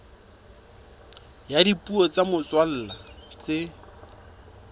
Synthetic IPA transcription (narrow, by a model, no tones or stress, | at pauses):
jadipuɔt͡samʊt͡swal̩ːlat͡sɪ